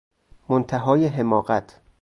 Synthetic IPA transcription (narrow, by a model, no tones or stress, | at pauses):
mont̪ʰæɦɒːjeɦemɒːɢæt̪ʰ